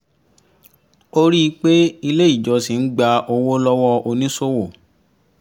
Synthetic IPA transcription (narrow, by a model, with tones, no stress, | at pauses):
o˦ɾi˦˧˦k͡pe˦i˧le˦i˦˨d͡ʒɔ˨˧si˨n̩˦ɡ͡ba˧ʔo˧wo˦lɔ˦wɔ˧o˧nĩ˦so˦wo˦˨